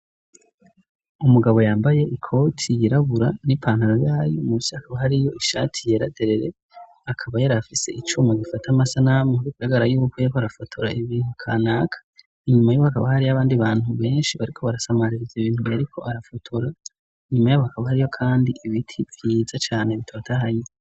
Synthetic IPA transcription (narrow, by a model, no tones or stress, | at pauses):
umuɡaβo̞jaːmbaje̞ʔikʰo̞tʰijiɾaβuɾanipʰaːn̥haɾojaːjomusihakʰaβahaɾijo̞iʃa̰tʰijeɾa̰de̞ɾe̞ɾe̞ | akʰaβajaɾafise̞ʔit͡ʃumaɡifatʰamasanamuhuɾikuɾaɡaɾajuːβukwekoaɾafatʰuɾaiβiːn̥hukʰanaːkʰḁ | iɲumajuːwohakaβahaɾiaβaːndiβaːn̥huβe̞ːnʃiβaɾikʰo̞βaɾasamaɾiɾiziβiːn̥hujaɾikʰo̞aɾafutʰuɾa | iɲumajaβohakaβahaɾijo̞kʰaːndiiβitʰiv̥jiːzat͡ʃaːneβitʰotʰahaje